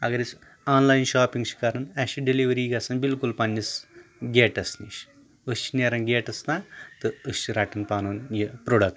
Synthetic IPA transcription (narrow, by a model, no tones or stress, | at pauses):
ɐ̰ɡɐɾis | aːnlaːjinʃaːpiŋɡt͡ʃʰi̥kɐɾɐnɐʃiɖiliʋɐɾiːɡɐsɐnbilkulpɐnʲːisɡʲeːʈɐsniʃ | ɨst͡ʃʰineɾɐnɡeːʈɐsnaːt̪ɨɨst͡ʃʰiɾɐʈɐnpaːnoːnjipɾoːɖɐk̚ʈ